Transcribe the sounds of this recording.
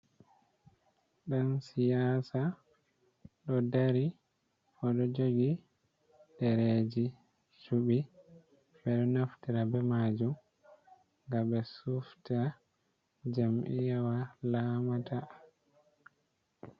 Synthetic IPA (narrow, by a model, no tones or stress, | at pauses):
ɗansijaːsa | ɗɔdaɾi | ɔɗɔd͡ʒoɡi | dɛɾed͡ʒi | suɓi | ɓɛɗɔnaftiɾabɛmaːd͡ʒum | ɡabɛsufta | d͡ʒamʔḭjawalaːmatʰa